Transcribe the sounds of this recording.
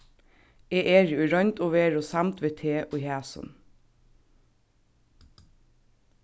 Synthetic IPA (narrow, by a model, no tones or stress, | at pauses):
eːʔeːɹʉɹœnt̪oːʋeːɹoːsɑmt̪ʋeːt̪ʰeːʔoːiːhæːsɔ̰n